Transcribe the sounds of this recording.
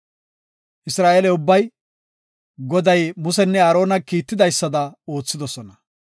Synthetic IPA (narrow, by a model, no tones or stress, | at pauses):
ʔɪsɾaːʔeːlɛʊbːɐj | ɡɔd̪ɐjmʊsɛnːɛaːɾo̞ːnɐkiːt̪ːɪd̪ɐjsːɐd̪ɐo̞ːt͡sːɪd̪ɔsɔnɐ